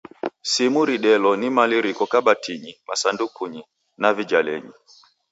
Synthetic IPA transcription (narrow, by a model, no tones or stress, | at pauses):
simuɾiɗɛlɔnimaliɾikɔkaɓatʰiɲimasandukuɲi | navid͡ʒalɛ̰ɲḭ